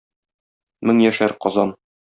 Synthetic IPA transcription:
mɘŋjæʃæɾqɒzɑn

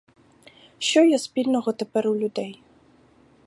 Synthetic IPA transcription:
ɕɔjɔspʲilʲnɔɣɔt̪ɛpɛɾuwlʲud̪ɛj

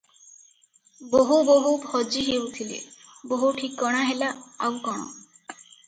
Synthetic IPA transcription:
boɦuboɦupʰɔd͡ʒiɦeut̪ʰilḛ | boɦuʈʰikːɔɽ̃aɦelaawkɔɽ̃ɔ̰

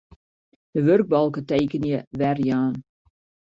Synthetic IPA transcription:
dəʋørɡ̚bɑlˠkəteːkənjəʋɛrjaːn

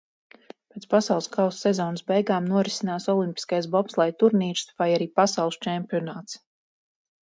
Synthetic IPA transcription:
peːt̪spasɑwlˠskawsːɛzɔːnsbɛjɡaːmnuɔɾisinaːsɔlˠimpi̥skajsbɔpslˠajt̪uɾniːt͡ʃsvajaɾiːpasɑwlˠst͡ʃɛmpʲiɔnaːt̪s

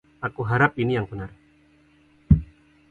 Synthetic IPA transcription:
akuɦaɾap̚inijaŋpənar

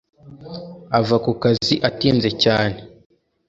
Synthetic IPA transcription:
avakukaziʔatiːnze̞caːne

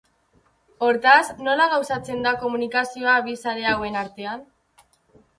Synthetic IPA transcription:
o̞ɾt̪asno̞laɣ̞awsat͡se̞nd̪ako̞munikasio̞aβisaɾe̞awe̞naɾt̪e̞an

